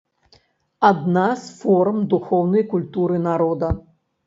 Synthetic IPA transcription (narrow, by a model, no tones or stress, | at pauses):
ad̪nasfɔrmd̪uxɔwnɐjkulʲt̪uɾɨnaɾɔd̪ɐ